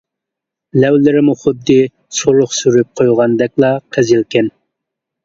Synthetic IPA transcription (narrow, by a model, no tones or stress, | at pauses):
lɛwlɪɾɪmuχʊd̪ːɨ | soɾʊχsyɾyp̚qʰojʁɑnd̪ɛkʲlˠɑqʰɛzɪlkʲʰɛn